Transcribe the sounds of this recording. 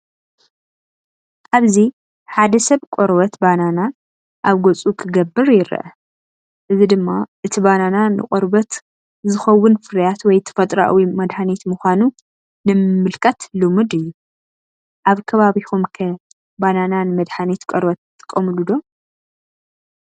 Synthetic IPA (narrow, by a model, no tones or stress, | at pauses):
ʔaβzi | ħad̪ɐsɐβkʷʼoɾbɐt̪banana | ʔaβɡot͡sʼukʰɨɡɐbːɨɾjɪɾɐ̰ʔɐ̰ | ʔɨzid̪ɨmːaʔɨt̪ʰibanananɨ̰kʼoɾbɐt̪ | zɨxɐwːʊnfɨɾjat̪wɔjt̪ʰɐ̥fɐt̪ʼɾa̰ʔwimɐd̪ħanet̪muxʷanu | nɨmɨmːɨlkʰʼɐt̪lumɨd̪ɨjːu | ʔaβkʰɐβaβixumkʰɐ | banananɨmɐd̪ħanet̪kʷʼoɾbɐt̪ʼːɨ̥kʼːɐmɨlud̪o̞